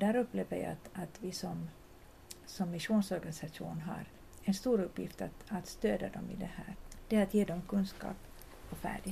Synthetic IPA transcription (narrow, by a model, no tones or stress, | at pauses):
d̪æːɾɵpːleːvəja̰t̪at̪vɪsɔm | sɔmːɪʂuːnsɔɾɡanɪsaʂṵːnɦa̰ɾ | ɛnst̪uːɾɵpːjɪft̪at̪at̪st̪øːd̪ad̪ɔ̰mɪ̰d̪ɛhæːɾd̪̥ɛat̪jeːd̪ɔmkʰɵnskɑ̰ːp | ɔfæ̰ːɖɪ